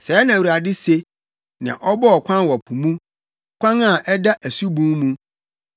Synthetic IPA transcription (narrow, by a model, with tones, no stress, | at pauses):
sɛ˨˦nã˨wu˨ɾa˨dɪ˦se˦ | nã̰˨ʔɔ˦bɔ˦ɔ˨kʷʰã˦nwɔ˨pʰũ˨mũ˦ | kʷã˦na˨ʔɛ˦da˦ʔæ˨su˦bũ˦nmũ˨